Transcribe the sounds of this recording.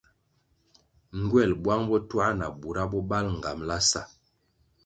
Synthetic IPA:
ŋ˦ɡwɛ˦˨lbwa˦ŋbɔ˦twa˦na˨bu˨ɾa˦bɔ˦ba˦lŋ̩˨ɡa˨mla˦sa˦˨

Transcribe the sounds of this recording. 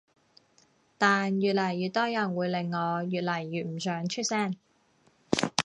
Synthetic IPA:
t̪aː˨njyː˨t̚lɐ˨˩jːy˨t̪̚ɔː˥jɐ˨˩nwuː˨˧jle˨˧ŋːɔː˨˧jyː˨t̚lɐ˨˩jːyː˨t̚m̩˨˩sœː˨˥ŋt͡ʃʰɵ˥t̚sɛː˥˩n

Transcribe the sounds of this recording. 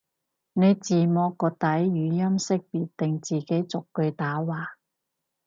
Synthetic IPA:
ne˨˧jt͡siː˨˩mɔː˧kːɔː˧t̪ɐ˨˥jjyː˨˧jɐ˥msɪ˥k̚piː˨t̪ːɪ˨ŋt͡siː˨ke˨˥jt͡sʊ˨kːɵ˧ɥt̪aː˨˥waː˨˧

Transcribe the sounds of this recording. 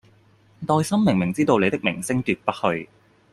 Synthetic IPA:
t̪ɔː˧jsɐ˥mːɪ˨˩ŋmɪ˨˩ŋt͡siː˥t̪o˧wle˨˧jt̪ɪ˥k̚mɪ̰˨˩ŋsɪ˥ŋt̪yː˨t̚pɐ˥t̚hɵ˧ɥ

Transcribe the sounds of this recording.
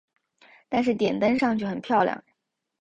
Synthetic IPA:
t̪a˥˧nʂɻ̩˥˩t̪jɛ˨˩nt̪ə˥nʂɑ˥˧ŋt͡ɕʰy˥˩xə˨˩npʰjɑ˥˧ʊljɑ̰˥˩ŋ

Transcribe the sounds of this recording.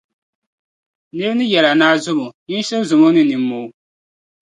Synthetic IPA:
nɨ˦ɾnɨ˦jɛ˨la˨naː˦zʊ˦bo˨ɲi˦n˦ʃɛ˦zʊ˨mo˦nɨ˦nɨ˨mːo˨˦

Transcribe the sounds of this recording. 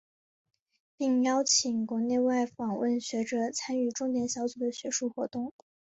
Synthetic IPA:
pi˥˩ŋjɑ˥ʊt͡ɕʰi˨˩ŋkwɔ˧˥ne˥˧ɪwa˥˩ɪfɑ˨˩ŋwə˥˩nɕɥɛ˧˥ʈ͡ʂɤ˨˩t͡sʰa˥ny˥˩ʈ͡ʂʊ˥ŋt̪jɛ˧˥nɕjɑ˧˥ʊt͡su˨˩d̪ə˦ɕɥɛ˧˥ʂu˥˩xwɔ˧˥t̪ʊ˥˩ŋ

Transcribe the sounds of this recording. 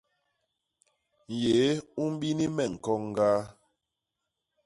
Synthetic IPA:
n̩˨je˨˦u˦m˦ɓi˦ni˦mɛ˦˨ŋ̩˨kɔ˦ŋ˦ɡaː˦

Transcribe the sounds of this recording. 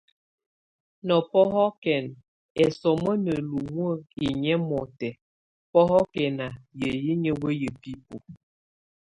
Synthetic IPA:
nɔ˨pɔ˦ɦɔ˦kɛ˨n | ɛ˨sɔ˨mə˦nə˨lu˨wə˦˨i˨ɲɛ˦mɔ˨tɛ˨ | pɔ˦ɦɔ˦kɛ˨na˨jə˨ji˦ɲə˨wə˦jə˨pi˦po˨

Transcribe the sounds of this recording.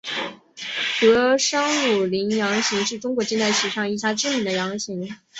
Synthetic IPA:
tɤ˧˥ʂɑ˥ŋu˨˩li˧˥ŋjɑ˧˥ŋɕi˧˥ŋʂɻ̩˥˩ʈ͡ʂʊ˥ŋkwɔ˧˥t͡ɕi˥˧nt͡s̪a˥˩ɪʂɻ̩˨˧˩ʂɑ˥˧ŋi˥˩ɕja˥ʈ͡ʂɻ̩˥mi˧˥nd̪ə˧jɑ˧˥ŋɕi˧˥ŋ

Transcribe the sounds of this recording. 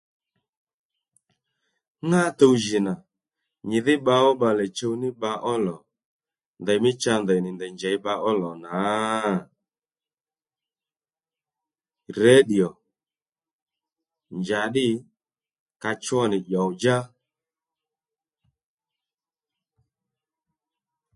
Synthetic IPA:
ŋa˦˨to˧wʒɪ˨na˨ | ɲɪ˨ðɪ˦ɓa˧ɔ˦ɓa˧lɛ˨t͡ʃo˧wnɪ˦ɓa˧ʔɔ˦lɔ˨ | ndɛ˨jmɪ˦t͡ʃa˧ndɛ˨nɪ˨ndɛ˨ɲd͡ʒɛ˨˦ɓa˧ʔɔ˦lɔ˨na˨˦ | rɛ˦ɗi˨ɔ˨ | ɲd͡ʒa˨ɗɪ˦ | ka˧t͡ʃwɔ˦nɪ˨ʄɔ˨wd͡ʒa˦

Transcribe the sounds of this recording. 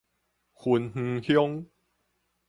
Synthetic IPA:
xʰu˧nhŋ̩˧hjo˦ŋ

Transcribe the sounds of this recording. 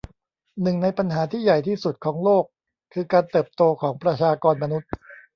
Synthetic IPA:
nɯ˨˩ŋna˧jpa˧nɦaː˩˦t̪ʰiː˥˩ja˨˩jt̪ʰiː˥˩su˨˩t̪̚kʰɔː˩˦ŋloː˥˩kʰː | ɯː˧kaː˧nt̪ɤː˨˩p̚t̪oː˧kʰɔː˩˦ŋpɾa˧t͡ɕʰaː˧kɔː˧nma˧nu˦˥t̪̚

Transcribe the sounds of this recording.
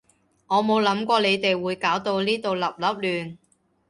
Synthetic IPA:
ŋɔː˨˧mo˨˧wlɐ˨˥mkʷɔː˧le˨˧jt̪e˨jwuː˨˧jkaː˨˥wt̪o˧wliː˥t̪o˨wlɐ˨p̚lɐ˨˥p̚lyː˨n

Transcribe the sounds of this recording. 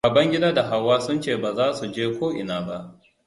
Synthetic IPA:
baː˨bɐ˦ŋɡʲɪ˦daː˦da˨ɦa˦wːaː˦sʊ˦nt͡ʃeː˦˨baː˨zaː˦su˨d͡ʒeː˦kʷoː˦ʔɪ˨naː˨ba˦ʔ

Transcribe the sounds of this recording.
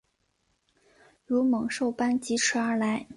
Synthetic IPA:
ɻu˧˥mɤ˧˥ŋʂo˥˩ʊpa˥nt͡ɕi˧˥ʈ͡ʂ̩ʰ˥ə˞˧˥la˧˥ɪ

